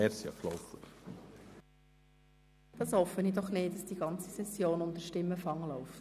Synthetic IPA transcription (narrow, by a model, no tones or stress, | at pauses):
ɛɾsjɑ̰klɔ̰wfəχ | d̥ɑshɔfənidɔχnɪːt̚dɑsd̥iɡɑnt͡sisɛsjoːnʊndəɾʃtɪmːəfɑŋlɔʊft